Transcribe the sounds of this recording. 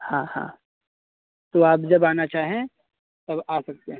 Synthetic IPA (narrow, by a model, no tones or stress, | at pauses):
hãhã̰ | t̪oːaːpd͡ʒɐbaːnat͡ʃaːɦẽ | t̪ɐbaːsɐk̚t̪eɦɛ̃